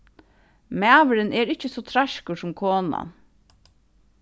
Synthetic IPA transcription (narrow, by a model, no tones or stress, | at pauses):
mæːʋəɾəneːɾɪçəsɔːt̪ʰɾɑʃkʊsɔmkʰoːnɑ̰